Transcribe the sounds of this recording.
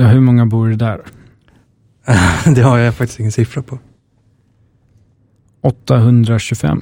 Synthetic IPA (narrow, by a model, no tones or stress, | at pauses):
aɦɵmɔŋːabuːɖɛd̪æːɾ | d̪ɛhaɾjafak̚t̪ɪ̥stɪŋːənsɪfɾapʰɔ | ʔɔt̪ːaɦɵnd̪ɾaɕɵfɛ̰mː